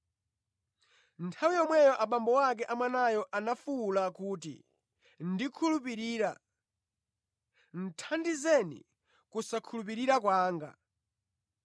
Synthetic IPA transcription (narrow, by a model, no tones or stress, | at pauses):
ntʰawijɔmwɛjɔʔaɓambɔwak̬ɛʔamwanajɔʔanafulakuːtḭ | ndikʰulup̬iɾiːɾa | n̩tʰandizɛnḭ | kusakʰulup̬iɾiɾakwaːŋɡa̰